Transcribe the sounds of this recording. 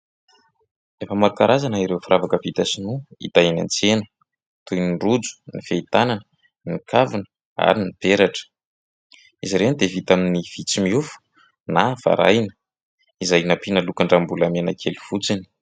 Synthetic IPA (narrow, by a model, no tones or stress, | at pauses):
efəmaɾukaɾazanaiɾewfiɾavakəvit̪asinuḭt̪aina̰nt͡senu̥ | t̪ujnirud͡zu̥nifeit̪ananə | nikʰavinə̥ | a̰ɾinipeɾaʈ͡ʂə̥ | iziɾend̪evit̪aminiv̥it͡simiufu̥ | nav̥a̰ɾa̰jnə | izajnapinalukaɳɖ͡ʐambulamenakʰeluv̥ut͡sini̥